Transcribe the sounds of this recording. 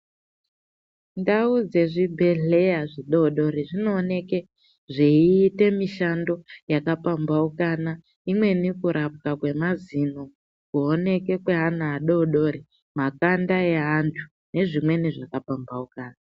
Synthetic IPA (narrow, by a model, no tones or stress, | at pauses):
ndaud͡ze̞ʐibʱe̞ɮe̞jaʐiɗo̞ɗo̞ɾiʐino̞ːne̞ke | ʐeiːte̞miʃando̞jakapambaukana | imwe̞nikuɾap̚kakwe̞mazino̞ | kuone̞ke̞kweɦanaːɗo̞ɗo̞ɾi | makandae̞ɦantʰu̥ | ne̞ʐimwe̞niʐakapambaukaːna